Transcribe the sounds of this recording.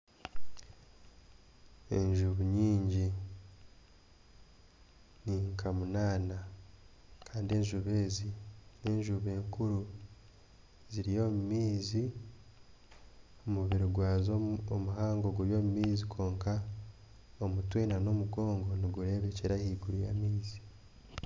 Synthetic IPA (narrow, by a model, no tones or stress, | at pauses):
e̞̰ɲʒuβuɲiːɲɟi | niŋkʰamunaːna | kaːndie̞ɲʒuβe̞ːzine̞ːɲʒuβe̞ːŋkuɾu | ziɾijo̞ːmumiːzi | omuβiɾiɡwaːzoomuɦaːŋɡo̞ɡuɾjo̞ːmumiːzikʰo̞ːŋka | omutwiːnano̞muɡo̞ːŋɡo̞niɡuɾe̞βe̞ceɾahiːɡuɾujamiːzi̥